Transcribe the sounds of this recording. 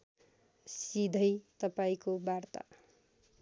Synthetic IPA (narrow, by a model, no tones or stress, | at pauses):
sid̪ʱʌjt̪ʌpaĩkobart̪a̰